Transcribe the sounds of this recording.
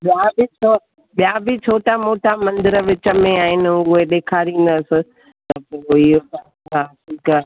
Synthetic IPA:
ɓjaːbɪt͡ʃʰo | ɓijaːbɪt͡ʃʰoːʈamoːʈamɐ̃nd̪ɪɾəʋɪt͡ɕəmẽaːɦɪnɪ̆ʊɦeɗeːkʰaːɾĩːn̆d̪ɐsɪ̆ | t̪ɐpoːɪɦʊpa | kãsikaː

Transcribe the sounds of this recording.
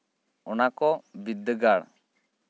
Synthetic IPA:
ɔnakɔbid̪ːəɡaɽ

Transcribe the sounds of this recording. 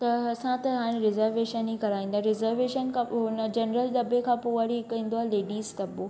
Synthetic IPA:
t̪ɐɐsãt̪ɐɦaːɽ̃ẽɾɪzəɾʋeːʃənɦikɐɾaːĩːnd̪aɦɾɪzəɾʋeːʃənkʰãɦʊnəd͡ʑɐnɾəld̪ɐbekʰãːpoaɾiɪkĩːn̆d̪oaːɦeleːɖiːzt̪ɐbo

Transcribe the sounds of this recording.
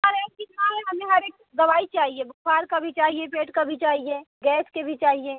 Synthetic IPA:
ɐɾɛːskiaːɦɛɦɐmẽɦɐɾeːk̚ | ɡɐʋaːit͡ʃaːɦiebʊkʰwaːɾkabʱit͡ʃaːɦiepeːʈkabʱit͡ʃaːɦieɡɛːskebʱit͡ʃaːɦieː

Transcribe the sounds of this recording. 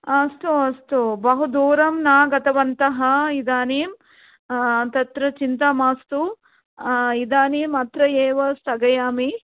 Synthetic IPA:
ɐst̪uɐst̪ubɐɦud̪uːɾɐmnaːɡɐt̪ɐʋɐnt̪ɐɦɐid̪aːniːm | t̪ɐt̪ɾɐt͡ʃint̪amaːst̪u | id̪aːniːmɐt̪ɾɐeːʋɐst̪ɐɡɐjaːmi

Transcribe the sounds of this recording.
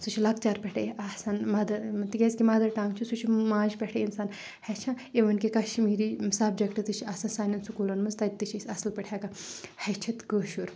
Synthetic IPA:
sut͡ʃʰilɐk̚t͡ʃaːɾpʲɛʈʰeasanmɐd̪ɐt̪iɡʲesʲkʲimaːd̪ɐɾʈãːŋɡt͡ʃʰusut͡ʃʰimãːd͡ʒpʲɛʈʰeinsaːn | hɛt͡ʃʰã | eʋɐnkikɐʃmiːɾiːsaːb̚d͡ʒɐkʈɨt̪ɨt͡ʃʰiɐsɐnsaːnʲɐnsukuːlɐnmɐnzt̪ɐt̪ːɨt͡ʃʰisʲɐslpʲɐʈʰʲjaːkɐhɐt͡ʃʰɐt̪kəːʃuɾ

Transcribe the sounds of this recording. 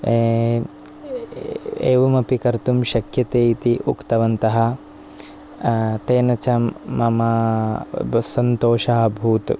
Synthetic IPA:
ḛːʋɐmɐpikɐɾt̪umʃɐkjɐt̪eːit̪iʔukt̪ɐʋɐnt̪ɐɦɐ | t̪eːnɐt͡ʃɐmːɐmɐ | sɐnt̪oːʃaːɐbʱuːt̪

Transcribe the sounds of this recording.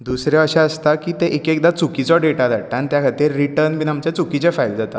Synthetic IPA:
d̪usɾjãəɕãəst̪akiːt̪eʔekek̚d̪at͡sukit͡sɔɖeʈad͡zaʈant̪jakʰat̪eɾːiʈəɾnbinamt͡ɕat͡sukit͡ɕɛfajld͡zat̪a̰

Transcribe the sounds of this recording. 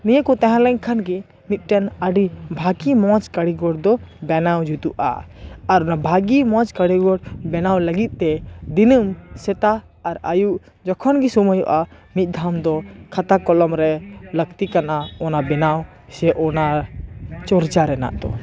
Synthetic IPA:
nijekɔt̪ɛ̃ɦɛ̃lɛɲkʰanɡi | mit̪̚ʈɛnəɖibʱaɡimɔ̃t͡ʃkəɽiɡɔɽd̪ɔbɛnawd͡ʒut̪uʔa̰ːɾɔnabʱaɡimɔt͡ʃkəɽiɡɔɽbɛnawləɡit̪̚ˀt̪ɛd̪inumsɛt̪aː | ɾajuʔ | d͡ʒɔkʰɔnɡisuməjɔʔa | mit̪̚ˀd̪ʱamd̪ɔkʰat̪akɔlɔmɾɛləkt̪ikanʔaɔnabɛnaw | sɛʔɔna | t͡ʃɔɾd͡ʒaɾɛna̰ʔd̪ɔ̰

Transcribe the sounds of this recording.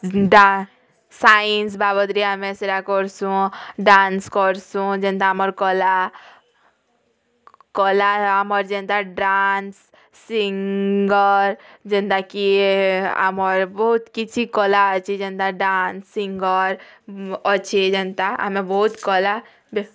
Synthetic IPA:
ɖa | sains̬babəd̪ɾiamẽseɾakɔɾsũɖanskɔɾsũd͡ʒẽnt̪aaməɾkɔla | kɔlaaməɾd͡ʒent̪aɖansː | iŋɡəɾd͡ʒent̪aki | a̰mɔɾbɔɦut̪kit͡ʃʰikɔlat͡ʃʰid͡ʒent̪aɖansːiŋɡəɾ | ɔt͡ʃʰed͡ʒent̪aa̰mebɔɦut̪kɔla | b

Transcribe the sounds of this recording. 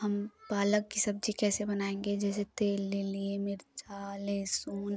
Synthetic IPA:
hɐmbaːləkːisɐb̚d͡ʒʱikɛːsebɐnaːẽːŋɡed͡ʒɛːs̬et̪eːlːeliemɪɾd͡ʒaːlesuːn

